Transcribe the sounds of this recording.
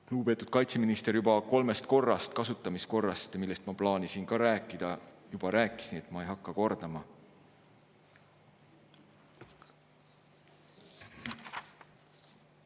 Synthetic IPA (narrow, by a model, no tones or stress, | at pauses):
luːbpe̞t̪ud̪̥̚kɑjt̪se̞minist̪e̞ɾjubɑko̞lme̞st̪̚ko̞rːɑst̪kɑsut̪ˑːɑmisko̞rːɑst̪milːe̞st̪mɑplɑːnisinkɑɾæːkːˑid̪̥ɑjub̥ɑɾæːkˑːi̥sniːe̞t̪mɑejɦɑkˑːɑko̞rd̪̥ɑmɑ